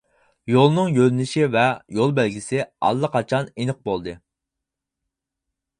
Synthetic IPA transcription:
jolˠnɨŋjølnɪʃivɛjolˠbælɡʲisɪɑ̰lˠːəqɑt͡ʃʰɑnenɨq̚bolˠd̪ɨ

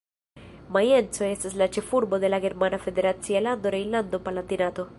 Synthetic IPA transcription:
majensoest̪aslat͡ʃefuɾbod̪elaɡeɾmanafed̪eɾat͡sialand̪oɾejland̪opalant̪inat̪o

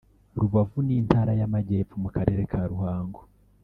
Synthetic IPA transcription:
ɾuβavuniːn̥taːɾajamaɟe̞ːfumukaɾe̞ːɾe̞kʰaɾuhaːŋɡo

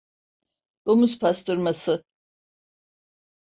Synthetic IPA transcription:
d̪̥omuspʰast̪ɯɾmasɯ

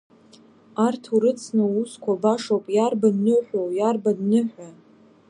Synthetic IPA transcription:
artʰuɾɨt͡sʰnauskʷʰabaʂowpʼjarbadnɨħʷᶣowjarbadnɨħᶣʷa

